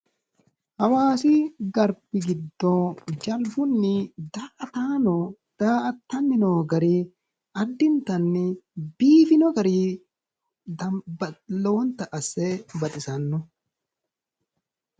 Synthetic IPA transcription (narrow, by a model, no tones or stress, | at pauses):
hɐwaːsɪɡɐɾbɪɡɪd̪ːɔd͡ʒɐlbʊnːɪd̪aːʔɐt̪aːnɔ | d̪̥aːʔɐt̪ːɐnːɪnoːɡɐɾi | ʔɐd̪ːɪnt̪ɐnːɪbiːfɪnɔɡɐɾiː | d̪ɐbɐlo̞ːnt̪ɐʔɐsːɛbɐt̪ʼɪsɐnːɔ